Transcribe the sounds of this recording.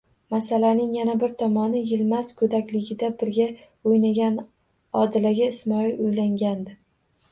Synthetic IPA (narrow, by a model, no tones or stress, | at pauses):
masalanɪŋjanabɪɾt̪ʰɒmɒnɪjɪlmazkʰɵd̪akʲlɪɡʲɪd̪abɪɾɡʲa | ojnaɡʲan | ɒd̪ɪlaɡʲaɪsmɒilʊjlaŋɡʲand̪ɪ